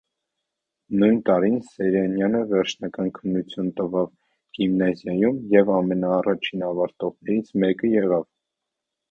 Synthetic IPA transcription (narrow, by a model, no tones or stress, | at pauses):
nujnt̪ɑɾinsɛɾɛnjɑnəvɛɾt͡ʃʰnɑkɑnkʰənːut͡sʰjunt̪əvɑv | ɡ̥imnɑzjɑjumjɛvɑmɛnɑːrɑt͡ʃʰinɑvɑɾt̪ɔʁnɛɾit͡sʰmɛkəjɛʁɑv